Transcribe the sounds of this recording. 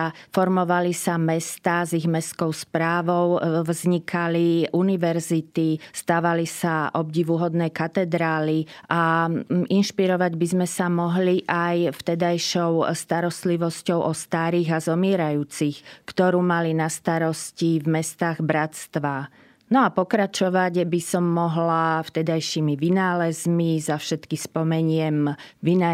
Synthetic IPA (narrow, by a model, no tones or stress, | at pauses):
fɔɾmɔʋalisamɛst̪aːziɣmɛskɔʊspɾaːʋɔʊvzɲikʰaliʔuniʋɛɾzit̪ist̪aːʋalisaʔɔbɟiʋuɦɔd̪nɛːkat̪ɛd̪ɾaːliʔa | inʃpiɾɔʋaɟbizmɛsamɔɦliʔajft̪ɛd̪ajʃɔʊst̪aɾɔst̪liʋɔscɔʊʔɔst̪aːɾiːɣazɔmɪɛɾajuːt͡sixkt̪ɔɾuːmalinast̪aɾɔscivmɛst̪aːɣbɾat̪st̪ʋa | nɔapɔkɾat͡ʃɔʋaɟbisɔmːɔɦlaft̪ɛd̪ajʃimiʋinaːlɛzmizafʃɛt̪kixspɔmɛɲɪɛmʋina